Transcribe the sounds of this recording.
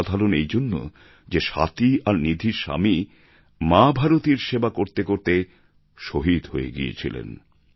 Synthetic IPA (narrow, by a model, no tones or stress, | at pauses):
d̪ʱaɾonejd͡ʑonːo̰ | d͡ʑeʃa̰t̪iaɾnid̪ʱiɾʃa̰mi | mabʱaɾot̪iɾʃebakoɾt̪ekoɾt̪e | ʃoɦid̪ɦoḛɡḭḛt͡ɕʰḭlḛn